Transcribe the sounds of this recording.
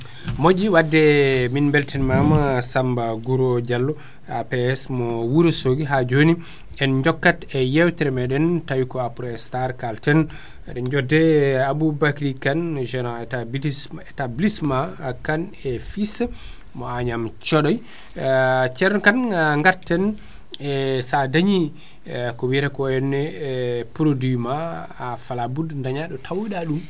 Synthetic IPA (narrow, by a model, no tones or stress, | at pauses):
mod͡ʒiwadːɛminbɛltʰɛnmamasambaɡuɾɔd͡ʒalːɔ | apɛɛsmɔwuɾsoɡiɦad͡ʒoni | ɛnɲd͡ʒɔkːatɛjɛwtɛɾɛmɛɗɛntajkɔapɾɔɛstaɾkaltɛn | ɛɗɛnd͡ʒɔdːɛabubakɾikand͡ʒɛnaɛabɛtablismakanɛfis | mɔaɲamt͡ʃɔɗɔj | t͡ʃɛɾnɔkanaŋɡaɾtɛn | ɛsadaɲi | kɔwiɾɛkɔɛnːɛpuɾodimaːfalabudndaɲaɗɔtʰawɗaɗum